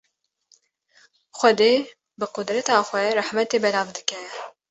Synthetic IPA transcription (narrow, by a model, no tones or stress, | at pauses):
xʷɛd̪eː | bɨqʊd̪ɾɛt̪ɑːxʷɛrɨħmɛt̪eːbɛlɑːvd̪ɨkɛ